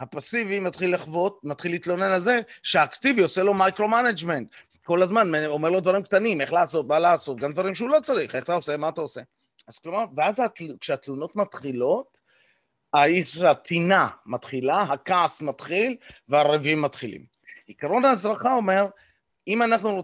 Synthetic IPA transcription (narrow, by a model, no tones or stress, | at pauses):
hapasivimat̪χilːaχvo̞t̪̚mat̪χilːiːtlo̞ne̞nalze̞ʃeaːkt̪ivioselo̞majkʁo̞manad͡ʒme̞nt̪ | ko̞lazmanmeo̞me̞ʁlo̞d̪vaʁimkt̪anime̞χlaːso̞t̪̚malaːso̞t̪̚ɡamd̪vaʁimʃeulo̞t͡saʁiχeχat̪aose̞maːtaose̞ | az̥klo̞maʁveazat̪kʃeat̪luno̞t̪mat̪χilo̞t̪ | aiat̪ʰinamat̪χilaɦakaːsmat̪χilveaʁevimːat̪χilḭm | ikaɾo̞naːzʁaχao̞me̞ʁ | imanaχnuo